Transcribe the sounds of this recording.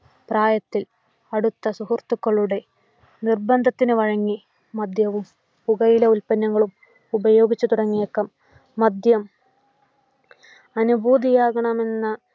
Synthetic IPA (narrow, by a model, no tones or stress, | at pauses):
praːjɐt̪ːil | ɐɽut̪ːɐsuhurt̪ːukːɐɭːuɽe̞ | nirbɐnd̪ʱɐt̪ːinɨʋɐɻɐŋːi | mɐd̪jɐʋum | puɣɐjileulpɐnːɐŋːɐɭum | ubɐjo̞ːɡit͡ɕːut̪uɽɐŋːijokːɐmː | ɐd̪jɐm | ɐnubʱuːd̪ijaːɣɐɳɐme̞nːɐ